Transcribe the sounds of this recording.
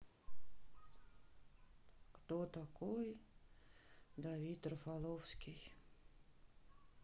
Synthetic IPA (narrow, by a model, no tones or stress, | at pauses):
kt̪ot̪akoj | d̪ɐvʲit̪rəfalˠofskʲij